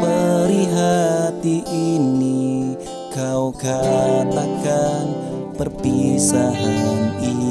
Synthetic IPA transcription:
pəɾiɦat̪iʔini | kawɡat̪akan | pərpisaɦani

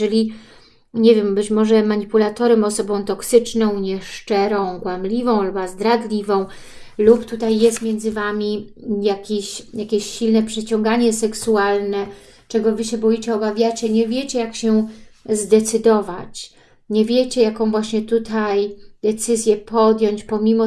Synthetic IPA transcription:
ɛlʲi | ɲɛvʲjɛmbɘt͡ɕmɔʐɛmaɲipulat̪ɔɾɛmɔsɔbɔ̃w̃t̪ɔksɘt͡ʂnɔ̃w̃ɲɛʂt͡ʂɛɾɔ̃w̃ɡwamlʲivɔ̃w̃lubazd̪ɾad̪lʲivɔ̃w̃ | lupt̪ut̪ajːɛst̪mʲjɛnd̪zɘvamʲi | jakʲeɕjakʲeɕːilnɛpʂɛt͡ɕɔ̃ŋɡaɲɛsɛksualnɛ | t͡ʂɛɡɔvɘɕɛbɔjit͡ɕɛɔbavʲjat͡ɕɛɲɛvʲjet͡ɕɛjakɕɛzd̪ɛt̪sɘd̪ɔva̰t͡ɕ | ɲɛvʲjet͡ɕɛjakɔ̃w̃vwaɕɲɛt̪ut̪ʰajd̪̥ɛt̪sɘzʲjɛpʰɔd̪jɔ̃ɲt͡ɕpɔmʲimɔ

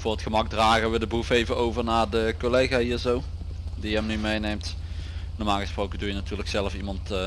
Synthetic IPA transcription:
v̥ʊːrətχəmɑɡ̚draːχəʋədəbrufejvəowvəɹnaːɹdəkolejχaːɦiːzow | dijəɛmnymejnejmt | nɔːɹmaːlˠɣəsprowkəndujənatyːləksɛləfimɑntː

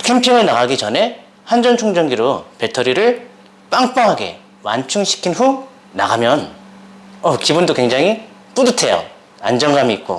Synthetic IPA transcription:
kʰe̞mpʰiŋɯɭnaɡaɡit͡ɕʌne̞ | hand͡ʑʌnt͡ɕʰoŋd͡ʑʌŋɡiɾope̞tʰʌɾiɾɯɭ | p͈aŋp͈aŋɦaɡe̞̰ | wa̰nt͡ɕʰuŋɕʰi̥kʰinɸu | na̰ɡamjʌn | ʌkibundokwe̞ŋd͡ʑaŋɦip͈udɯtʰe̞jo̰ | a̰nd͡ʑʌŋɡamiːk̚k͈o̰

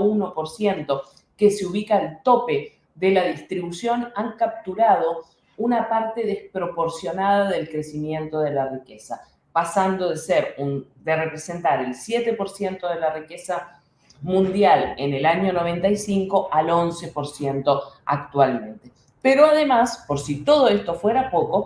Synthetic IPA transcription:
uno̞poɾsje̞nt̪o̞ | keseuβ̞ikaːlt̪o̞pe̞ | ðelaðist̪ɾiβusjo̞naŋkap̚t̪uɾað̞o̞ | unapaɾt̪e̞ðespɾo̞po̞ɾsjo̞naðaðe̞lkɾesimjẽ̞nt̪o̞ð̞e̞larikesa | pasand̪o̞ðeseɾund̪erepɾese̞nt̪aɾelsjet̪epo̞ɾsje̞nt̪o̞ð̞elarikesa | mũnd̪jalenelaɲo̞no̞β̞e̞nt̪ajsiŋko̞alo̞nse̞po̞ɾsje̞nt̪o̞a̰kt̪walmẽ̞nt̪e | peɾoaðe̞maspoɾsit̪o̞ð̞o̞est̪o̞fweɾapo̞ko̞

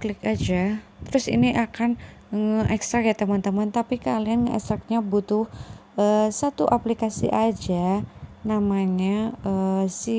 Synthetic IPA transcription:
klɪkad͡ʒat̪əɾʊsḭniʔakan | ŋəʔɛkst̪ɾakjat̪əmant̪əmant̪apikalianŋəɛ̰kst̪ɾak̚ɲabut̪ʊhəsat̪uʔaplikasḭʔad͡ʒanamaɲaəsi

